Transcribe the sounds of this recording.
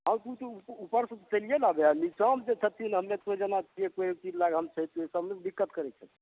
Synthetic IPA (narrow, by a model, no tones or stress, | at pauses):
ɦãmt̪ut̪ɔpupəɾsət͡ʃəlijelabeanit͡ʃamd͡ʒet͡ʃʰət̪ʰinɦəmnet̪med͡ʒənat͡ʃʰijekoekt͡ʃid͡ʒlaɡɦəmt͡ʃʰəit̪uesəbmed̪ikːət̪kəɾɛt͡ʃʰət̪ʰ